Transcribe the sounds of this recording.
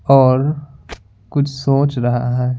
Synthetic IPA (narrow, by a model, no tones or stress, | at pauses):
ɔːɾ | kʊt͡ʃʰsoːt͡ʃɾɐɦa̰ɦɛː